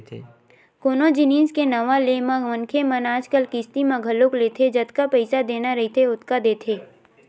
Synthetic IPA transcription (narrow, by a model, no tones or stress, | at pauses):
koːnod͡ʒɪnĩːskenɐʋalemãʋɐnkʰemɐnaːd͡ʒkəlkɪst̪imãɡʱɐlokleːt̪ʰed͡ʒɐt̪kapɛɪsad̪eːnaɾɐɦit̪ʰeʊt̪kad̪eːt̪ʰeː